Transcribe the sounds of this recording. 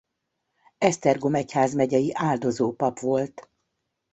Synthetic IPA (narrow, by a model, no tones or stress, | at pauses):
ɛst̪ɛrɡo̞mɛchaːzmɛɟɛjiʔaːld̪o̞zoːpɒpʋo̞lt̪